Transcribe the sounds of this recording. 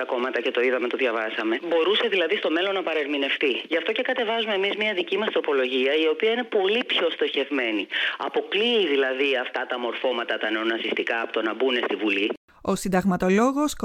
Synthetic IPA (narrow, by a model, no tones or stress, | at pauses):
ɐko̞mɐt̪ɐce̞t̪o̞iðɐme̞t̪o̞ðʝɐvɐsɐme̞bo̞ɾuse̞ðilɐðist̪o̞me̞lo̞nːɐpɐɾeɾmine̞ft̪iʝɐft̪o̞ce̞kɐt̪e̞vɐzume̞mizmɲɐðicimɐst̪ɾo̞po̞lo̞ʝiɐio̞piɐine̞po̞lipço̞st̪o̞çe̞vme̞niɐ̰po̞kliːðilɐðiɐft̪ɐt̪ɐmo̞ɾfo̞mɐt̪ɐt̪ɐne̞o̞nɐsist̪ikɐːpot̪onɐbune̞st̪ivuli | o̞sind̪ɐɣmɐt̪o̞lo̞ɣo̞sk